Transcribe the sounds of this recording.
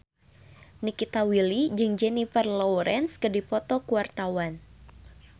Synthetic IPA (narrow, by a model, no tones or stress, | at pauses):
nikit̪awilid͡ʒɨŋd͡ʒɛnifɛrlɔwɾɛnskədipɔt̪ɔkuwart̪awan